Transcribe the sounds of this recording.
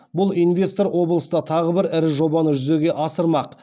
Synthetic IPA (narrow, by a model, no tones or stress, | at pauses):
bʊlˠijnvʲe̞st̪o̞ɾwʔo̞blˠəsd̪ɑt̪ʰɑʁəbɪɾɪɾɪʒo̞bɑnəʒʏze̞ɡʲe̞ʔɑsəɾmɑq